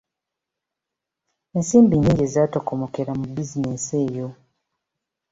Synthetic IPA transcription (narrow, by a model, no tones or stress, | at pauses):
ensiːmbiɲːiːŋɟe̞ːziaːtokomoke̞ɾamubizinese̞ːjo̞